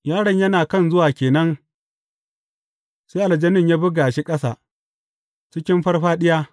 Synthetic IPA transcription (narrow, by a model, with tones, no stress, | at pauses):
jaː˦ɽɐ˨ɲjɐ˦naː˨kɐ˦˨nzʊ˦waː˨kʲeː˨nɐ˦ŋ | seː˦ʔa˨lɐ˨d͡ʒɐ˦nɪ˦˨ɲjaː˦bʊ˦ɡaː˨ʃe˦kʼɐ˦sa̰˨ | t͡ʃɪ˦kʲɪ˦mɸɐ˦rɸaː˦ɗɪ˦jaː˦